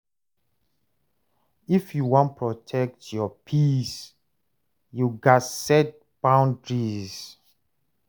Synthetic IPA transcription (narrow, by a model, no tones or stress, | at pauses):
ifjuwɔ̃npʰɹɔtʰɛk̚tjɔpʰis | juɡasɛt̚ | b̥ãʊ̃ndɹiz